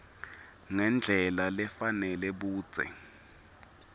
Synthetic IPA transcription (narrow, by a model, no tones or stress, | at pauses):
ŋɛnd͡ɮʱɛlalɛfanɛlɛɓuːd̥z̥ʱɛ̰